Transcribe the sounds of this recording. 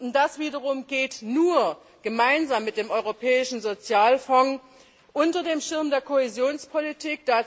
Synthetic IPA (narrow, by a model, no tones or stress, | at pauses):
d̥asv̥iːdɐʁ̞ʊmɡeːtnuːɐ | ɡ̥əmaɪnzaːmːɪt̚d̥eːmʔɔʏʁopʰɛːɪʃn̩zot͡sjaːlfɔŋ | ʔʊntɐdeːmʃɪɐmdeːɐkʰohɛzjoːnspʰolitʰiːk̚d̥aː